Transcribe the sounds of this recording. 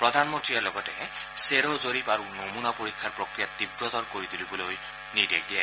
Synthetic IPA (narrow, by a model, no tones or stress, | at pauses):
pɹɔd̪ʱanmɔntɹijalɔɡɔtɛseɾɔzoɾipaɹunomunapoɹikʰːaɹpɹɔkɹijat̪ːibɹɔt̪ɔɹkoɹit̪ilibɔloj | nidek̚dija